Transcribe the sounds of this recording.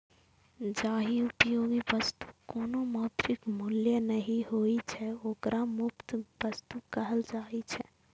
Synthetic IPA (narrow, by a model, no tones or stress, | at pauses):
d͡ʒaɦiupəjoɡiʋəst̪u̥konomɔt̪ɾikmuljənəɦiɦoit͡ʃʰɛokɾamupt̪bəst̪ukəɦəld͡ʒait͡ʃʰɛ